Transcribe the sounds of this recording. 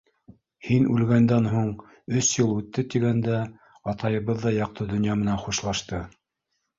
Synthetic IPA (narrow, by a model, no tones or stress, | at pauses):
hinʉlɡænd̪ænɦuɴ | ɵsjɤlˠʉt̪ːɘt̪iɡænd̪æ | ɑt̪ɑjɤ̆βɤðːɑjɑq̚t̪ʰɤd̪ɵ̆njɑmɘ̆nænχuʃlˠɑʃt̪ɤ